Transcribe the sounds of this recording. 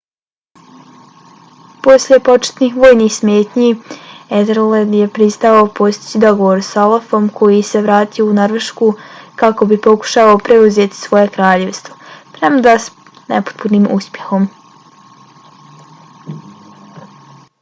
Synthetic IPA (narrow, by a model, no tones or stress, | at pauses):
po̞sʎʲe̞po̞t͡ʃe̥t̪nixʋo̞ːjniːxsmeːt̪ɲied̪ɾled̪je̞pɾist̪aʋaopo̞st̪i̥t͡ɕid̪o̞ɡo̞ʋo̞ɾsolefo̞mkʰo̞jise̞ʋɾaːt̪ijounoɾʋeʃkukako̞bipo̞ku̥ʃaaopɾeuze̞ːt̪i̥sʋo̞je̞kɾaːʎe̞ʋst̪vo̞pɾemad̪as | nḛpo̥t̪̚puniːmṵspʲje̞xo̞m